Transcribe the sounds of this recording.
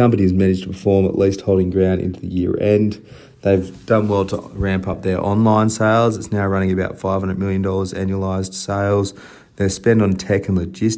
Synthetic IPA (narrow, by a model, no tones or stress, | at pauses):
ʌ̃mpɨniɨzmæñɨd͡ʒtʰəpʰəfɔɹmə̰ʔlist̚hoʊlˠɪ̃ŋɡɹãʊ̃ndɪ̰̃ntʉðɨ̰jɪɹɛ̃n | ðeɪvd̥ʌ̃nwɛlˠtʰə̰ɹæ̃mpʌp̚ðə˞ʔɑ̰̃nlãɪ̃nseɪlˠzɨtsnaʊɹʌ̃ɾ̃ɪ̃ŋɨbaʊtfaɪv̥hʌ̃ndɹə˞mɪlˠjɨ̃ndɔlˠə˞zæ̰̃njuəlaɪzd̥seɪlˠz | ðəspɛ̃ndn̩tʰɛkɨ̃n̩lɨd͡ʒɪs